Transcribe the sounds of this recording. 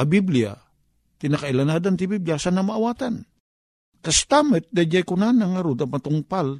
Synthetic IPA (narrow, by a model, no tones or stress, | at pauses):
abiblia̰ | t̪inakailanadant̪ibibliasanamaːwat̪an | kast̪amɛt̪̚dad͡ʒajkunanaŋaɾud̪amat̪uŋpal